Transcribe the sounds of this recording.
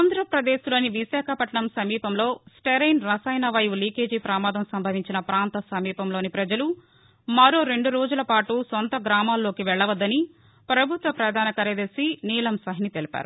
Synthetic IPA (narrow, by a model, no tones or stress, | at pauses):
aːnd̪ɾɐpɾɐd̪eːslo̞ːniʋiʃaːkʰɐpɐʈɐɳɐmsɐmiːpɐmlo̞ːsʈeɾɐjnɾɐsaːjnɐʋɐjuliːke̞ːd͡ʒiːpɾɐːmaːd̪ɐmsɐmbʱɐʋiɲt͡ʃinɐpɾaːnt̪ɐsɐmiːpɐmloːnipɾɐd͡ʒɐlu | mɐɾoːɾe̞ɳɖuɾo̞ːd͡ʒulɐpaːʈusont̪ɐɡɾaːmaːlːo̞ːkiʋɛɭːɐʋɐd̪ːɐni | pɾɐbʱut̪ʋɐpɾɐd̪ʱaːnɐkɐɾɐd̪ɐsiniːlɐmsɐɦinit̪e̞lipa̰ːɾu